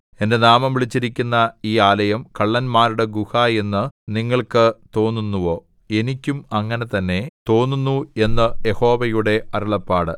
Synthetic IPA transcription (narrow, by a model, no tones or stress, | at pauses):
e̞nde̞naːmɐmʋiɭit͡ɕːiɾikʲːunːɐiːaːlɐjɐmkɐɭːɐnmaːɾuɽe̞ɡuhaːje̞nːɨniŋːɐɭkɨt̪o̞ːnːunːuʋo̞ː | e̞nikʲːumɐŋːɐne̞t̪ɐnːe̞t̪o̞ːnːunːue̞nːɨje̞ho̞ːʋɐjuɽe̞ɐɾuɭɐpːaːɽɨ